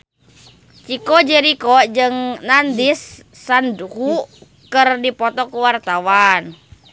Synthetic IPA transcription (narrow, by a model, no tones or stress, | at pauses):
t͡ʃikɔd͡ʒɛɾikɔd͡ʒɨŋnandisː | andkuu | kɨrdipɔt̪ɔkuwart̪awan